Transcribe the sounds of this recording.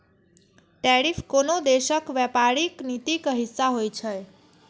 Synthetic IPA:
ʈeɾifkonod̪eʃəkʋɛpaɾiknit̪ikɦisːaɦojt͡ʃʰəj

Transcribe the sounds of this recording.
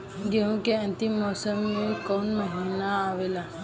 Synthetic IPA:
ɡeɦũkeə̃nt̪imɔsəmːekɔnməɦinaːʋela

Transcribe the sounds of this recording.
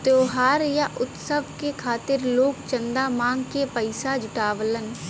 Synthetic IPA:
t̪oːɦaːɾjaʔʊt̪səbkekʰaːt̪ɪɾloːkt͡ʃə̃nd̪amãːŋɡkepəɪsad͡ʒʊʈaːʋlən

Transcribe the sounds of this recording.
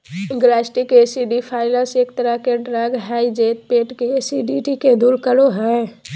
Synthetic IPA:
ɡlaːsʈɪkesiɖipʰaːɪləɾseːkt̪əɾəɦkeɖɾaɡɦaid͡ʒeːt̪̚peːʈkesiɖiʈiked̪uːɾkəloɦɛ̃

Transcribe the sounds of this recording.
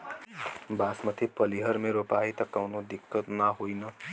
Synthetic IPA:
basmət̪ʰipəliɦəɾmẽɾopait̪ʌkəwnod̪ɪkːət̪naɦoinʌ

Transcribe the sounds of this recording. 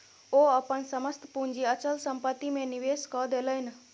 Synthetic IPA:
oəpənsəməst̪ʰpund͡ʒiət͡ʃəlsəmpət̪ːimẽniʋeːskɔd̪eləjn

